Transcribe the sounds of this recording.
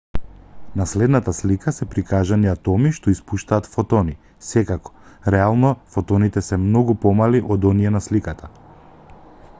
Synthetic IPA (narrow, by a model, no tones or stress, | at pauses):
naslɛd̪nat̪aslikasɛpɾikaʒaniat̪ɔmiʃt̪ɔispuʃt̪aːt̪fɔt̪ɔni | sɛkakɔ̥ɾɛalˠnɔfɔt̪ɔnit̪ɛsɛmnɔɡupɔmaliʔɔd̪ɔniɛnaslikat̪a